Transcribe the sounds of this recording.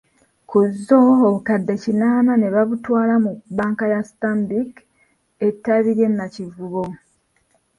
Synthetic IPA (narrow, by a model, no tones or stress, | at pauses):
kuzːoːβukadːe̞cinaːmane̞βaβutwaːlamubaːŋkajastambik | e̞tːaβiɾe̞nːacivuβo